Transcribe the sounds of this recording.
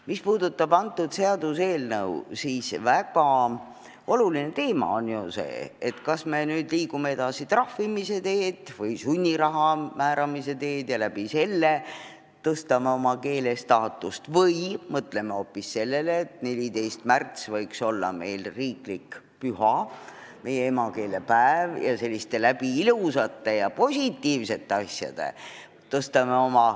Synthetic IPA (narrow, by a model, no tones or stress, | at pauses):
mispuːd̪̥ut̪ːˑɑbɑnt̪ːˑud̪se̞ɑd̪̥use̞ːlnɤ̰wsiːsvæɡɑ | o̞luline̞t̪e̞ːmɑ̰o̞njuse̞̰ːet̪kɑsme̞nyːd̪liːkume̞e̞d̪̥ɑsit̪rɑhvimise̞t̪e̞ːd̪̥vɤjsunʲːiɾɑɦɑmæːɾɑmise̞t̪e̞ːd̪̥jɑlæb̥ise̞lːe̞ | t̪ɤst̪ɑmeo̞mɑke̞ːle̞st̪ɑːt̪ːˑust̪vɤjmɤt̪le̞me̞o̞ːpːisːe̞lːe̞leːt̪ne̞lʲit̪e̞jst̪mært̪svɤjkso̞lːɑ̰me̞jlriːklik | pyhɑ | me̞jeemɑke̞ːle̞pæevjɑse̞lʲːist̪e̞læb̥iilusɑt̪ːe̞jɑpo̞sʲit̪ːiːvse̞t̪ːe̞ɑsʲjɑ̰d̪̥ḛ | t̪ɤst̪ɑme̞o̞mɑ